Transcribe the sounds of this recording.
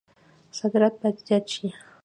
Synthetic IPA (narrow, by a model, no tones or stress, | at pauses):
sakɾat̪aʎat͡ʃɪ